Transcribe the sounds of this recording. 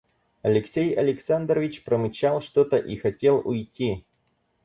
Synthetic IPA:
ɐlʲɪksʲejɐlʲɪksand̪rəvʲɪt͡ɕpɾəmɪt͡ɕalˠʂt̪o̞t̪əʔixɐtʲe̞lˠʊ̰jtʲi

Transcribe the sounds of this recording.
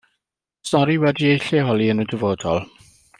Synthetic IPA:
stɔɾiwɛdiejɬɛɦɔlˠiənədəvoːdɔlˠ

